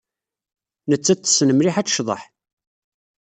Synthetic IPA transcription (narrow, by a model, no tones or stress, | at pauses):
nət͡sːæt͡s̪ːə̥snəmɾiħæt͡sːʃðˤɑ̰ħ